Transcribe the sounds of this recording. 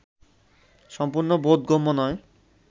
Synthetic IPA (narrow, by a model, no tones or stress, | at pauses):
ʃɔmpuɾnobod̪ɡomːonɔe